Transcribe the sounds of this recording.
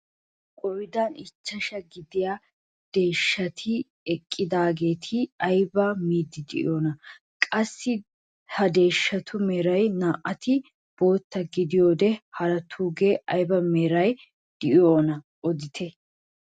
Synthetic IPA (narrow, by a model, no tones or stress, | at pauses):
kʼɔjɪd̪anɪt͡ʃːɐʃɐɡɪd̪ɪja | d̪̥e̞ːʃːɐt̪ʰɪ | ɛkʼːɪd̪aːɡe̞ːt̪ʰɪɐjbɐmiːd̪ːɪd̪ɪ̰ʔɪ̰joːnɐ | kʼɐsːɪ | hɐd̪e̞ːʃːɐt̪ʰʊmeːɾɐjnaːʔɐt̪ɪ | b̥o̞ːt̪ːɐɡɪd̪ɪjo̞ːd̪ɛhɐɾɐt̪ʰuːɡe̞ːʔɐjbɐmeːɾɐj | d̪̥ɪʔɪjoːnɐ | ʔɔd̪ɪt̪ʰɛ